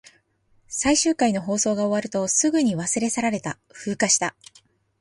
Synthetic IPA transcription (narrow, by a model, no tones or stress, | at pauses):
saiɕɨːkaino̞ɦo̞ːso̞ːɡao̞βaɾɯ̟t̪o̞sɨɡɯ̟ɲ̟iβasɨɾe̞saɾaɾe̞t̪a | ɸɯ̟ːkaɕi̥t̪a